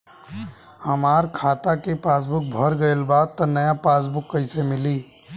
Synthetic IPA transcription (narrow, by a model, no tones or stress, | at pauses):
həmaːɾkʰaːt̪akepaːs̬bʊk̚bʱəɾɡəelbaːd̪̚t̪ɔnɐjapaːs̬bʊkːəɪsemɪliː